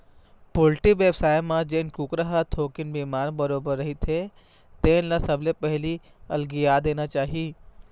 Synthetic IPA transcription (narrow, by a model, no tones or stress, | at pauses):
pʊlʈiʋeːbsaːjmãd͡ʒeːnkukɾəɦət̪ʰoːkɪnbimaːɾbɐɾoːbəɾːɐɦit̪ʰe | t̪eːnlasɐblepɐɦli | ɐlɡijaːd̪eːnat͡ʃaːɦiiː